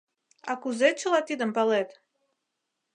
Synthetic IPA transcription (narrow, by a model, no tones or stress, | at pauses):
ɑ̰kuzet͡ɕə̆lɑt̪id̪əmpɑlet̪